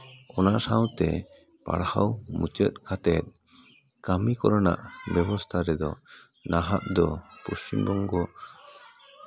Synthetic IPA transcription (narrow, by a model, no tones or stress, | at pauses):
ɔnaʔsawt̪ɛ̰ | pa̰ɽhawmut͡ʃət̪̚kʰat̪ɛt̪̚ | kamikɔɾɔna̰ʔbɛbɔst̪ʰaɾɛd̪ɔ | naɦaʔd̪ɔpust͡ʃimbɔŋɡɔ